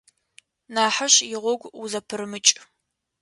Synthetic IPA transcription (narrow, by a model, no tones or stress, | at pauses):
naːħaɕjɪʁʷɔɡʷuzɐpʰɨrmɨt͡ʃʼ